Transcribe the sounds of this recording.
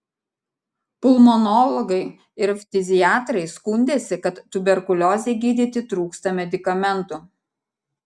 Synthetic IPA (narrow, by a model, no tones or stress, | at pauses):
pʊlˠmɔnɔlˠɔɡɐɪ | ɪɾfʲt̪ʲɪzʲɪjaːt̪ɾɐɪskʊnʲd̪ʲeːsʲɪkɐt̪ːʊbʲɛɾkʊlʲɔːzʲɛɪɡʲiːd̪ʲɪt̪ʲɪt̪ɾuːkst̪ɐmʲɛd̪ʲɪkɐmʲɛnt̪ʊ